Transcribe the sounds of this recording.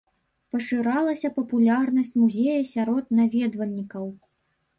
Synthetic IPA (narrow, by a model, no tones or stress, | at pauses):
pɐʂɨɾalˠɐsʲɐpɐpulʲarnɐsʲt͡sʲmuzʲejɐsʲaɾɔt̪̚navʲɛd̪vɐlʲnʲikɐw